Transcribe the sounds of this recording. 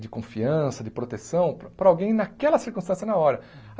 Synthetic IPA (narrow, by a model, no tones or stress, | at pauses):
d͡ʒɪkõfiɐ̃sɐd͡ʒɪpɾot̪esɐ̃w̃pɾɐawɡẽj̃nɐkɛlɐsiɾkũst̪ɐ̃sjɐnɐɔɾɐ